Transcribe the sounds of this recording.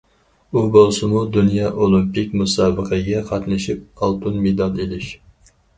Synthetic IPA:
ubolˠsɨmud̪unjɑːʔolˠimpɪkʲmusɑːbəqʰəɡʲɛqʰɑt̪nɨʃip̚ɑlˠt̪ʰunmed̪ɑlˠelɪʃ

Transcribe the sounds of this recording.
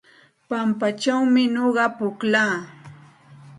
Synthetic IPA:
pampat͡ʃawmɪɲoɢɑpʊklaː

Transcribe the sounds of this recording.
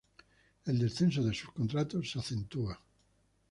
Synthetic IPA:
eld̪esθensoðesuskont̪ɾat̪osːaθent̪ua

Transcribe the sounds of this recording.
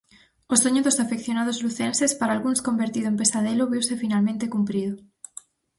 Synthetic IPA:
osoɲoðosafekθjonað̞ozluθensespaɾaːlɣunskombeɾt̪iðoempesaðeloβiwsefinalmẽnt̪ekumpɾiðo

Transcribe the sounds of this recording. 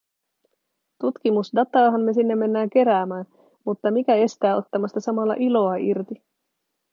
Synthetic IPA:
t̪ut̪kimusdɑt̪ɑːɦɑnːe̞sinːemːe̞nːæːŋk̟e̞ɾæːmæːn | mut̪ːɑmikæe̞st̪æːo̞t̪ːɑmɑst̪ɑsɑmɑlːɑ̰ʔilo̞ɑirt̪i

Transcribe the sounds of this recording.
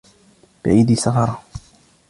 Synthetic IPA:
b̥ɪʕiːd̪iːsɑfɑɾˤɑ

